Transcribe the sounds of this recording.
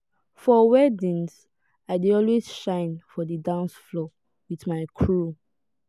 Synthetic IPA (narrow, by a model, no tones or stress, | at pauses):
fɔwɛdĩns | aɪdiɔlwezʃãɪ̃nfɔdədãnsflɔ | wiθmaɪkʰɹu